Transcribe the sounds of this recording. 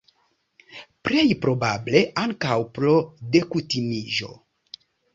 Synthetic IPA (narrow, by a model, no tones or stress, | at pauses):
pɾejpɾo̞bable̞ʔaŋkawpɾode̞kutimiʒo̞̰